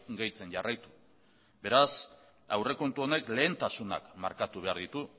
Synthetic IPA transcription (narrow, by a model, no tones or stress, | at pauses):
ɡajt͡se̞nʝarajt̪u̥ | be̞ɾas | awre̞ko̞nt̪uo̞ne̞kle̞ːnt̪asuna̰kma̰ɾkat̪uβ̞e̞aɾðit̪u